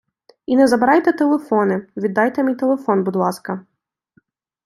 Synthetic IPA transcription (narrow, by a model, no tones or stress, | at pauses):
inɛzɐbɪɾɑjt̪ɛt̪elˠefɔnɪʋʲid̪ːɑjt̪ɛmʲijt̪elˠefɔnbud̪lˠɑskɐ